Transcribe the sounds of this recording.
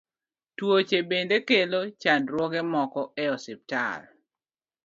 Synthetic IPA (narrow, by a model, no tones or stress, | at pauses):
twot͡ʃebendekelot͡ʃandɾwɔɡɛmɔkɔɛɔsip̚ta̰r